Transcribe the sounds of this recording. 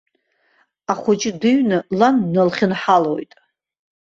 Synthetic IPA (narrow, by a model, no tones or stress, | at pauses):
aχʷʊt͡ʃʼɪdɨɥnɨlanːalχʲɪnħalojtʼ